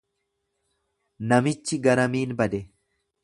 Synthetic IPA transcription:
nɐmɪt͡ʃːɪɡɐɾɐmiːnbɐd̪ɛ

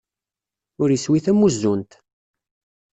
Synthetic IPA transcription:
ʊɾjiswiθæmːuzːunt̪

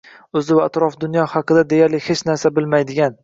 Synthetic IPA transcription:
ɵzɪvaat̪ɾɒfd̪ʊnjɒhɑqɨd̪ad̪e̞jaɾlɪhet͡ʃnaɾsabɪlmajd̪ɪɡʲan

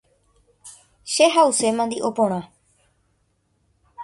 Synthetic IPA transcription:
ʃeɦause̞mãnd̪iʔo̞põɾ̃ã

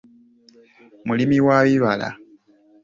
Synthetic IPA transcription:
mulimiwaβiβala̰

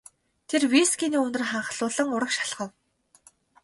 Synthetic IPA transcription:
t̪ʰerwiskiniːɵnt̪ɵ̆rχaɴχ̆ɮʊːɮə̆ŋʊɾə̆kʃḁɮʁə̆w

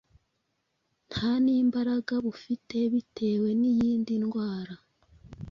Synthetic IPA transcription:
n̥haniːmbaɾaɡaβufite̞βitʰe̞ːwe̞nijiːndinɡwaːɾa

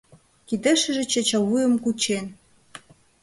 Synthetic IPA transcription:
kid̪ə̆ʃə̆ʒĕt͡ɕĕt͡ɕɑwujə̆mkut͡ɕen

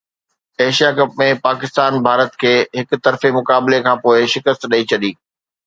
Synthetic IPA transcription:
eːʃijakɐpmẽpaːkɪst̪aːnbʱaːɾət̪kʰeːɦɪkʊt̪ɐɾfemʊkaːblekʰãːpoːɪʃɪkəst̪ɗɐit͡ɕʰɐɗiː

